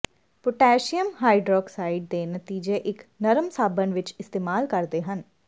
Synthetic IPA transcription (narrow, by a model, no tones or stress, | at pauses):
pʊʈɛːʃɪjəmɦaːiɖɾɔːksaːiɖ̚d̪eːnət̪iːd͡ʒeːʔɪknəɾəmsaːbənʋɪt͡ʃɪst̪eːmaːlkəɾd̪eːɦən